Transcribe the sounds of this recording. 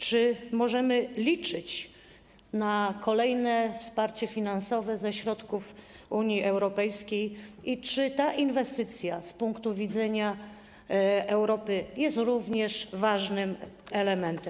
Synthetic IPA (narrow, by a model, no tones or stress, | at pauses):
t͡ʂɘmɔʐɛmɘlʲit͡ʂɘt͡ɕ | nakʰɔlɛjnɛfspaɾt͡ɕɛfʲinansɔvɛzɛɕɾɔt̪kuf | uɲjiʔɛwɾɔpɛjskʲejit͡ʂɘt̪aʔinvɛst̪ɘt̪sʲjaspuŋkt̪uvʲid̪zɛɲa | ɛwɾɔpɘjɛst̪ɾuvɲɛʂvaʐnɘmɛlɛmɛnt̪ɛm